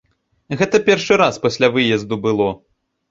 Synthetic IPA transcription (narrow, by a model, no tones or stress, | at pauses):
ɣɛt̪ɐpʲɛrʂɨɾaspɐsʲlʲavɨjɐzd̪ubɨlˠɔ